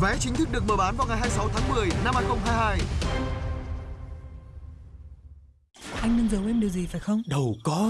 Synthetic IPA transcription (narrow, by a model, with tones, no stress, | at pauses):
vɛ˨˦t͡ɕï˨˦ŋ̟t̪ʰɨ˦˥k̚ɗɨ˨˩ək̚məː˨˩ɓaː˨˦nvaː˨˩wŋa˨˩jɦaː˧jsa˨˦wt̪ʰaː˨˦ŋmɨ˨˩əjna˧mhaː˧jxə˧wŋ͡mɦaː˧jhaː˧j | ʔa˧jŋ̟nɨ˧ŋzə˨˩wʔɛ˧mɗɨ˨˩əwzi˨˩faː˨˩jxə˧wŋ͡mɗə˨˩wkɔ˨˦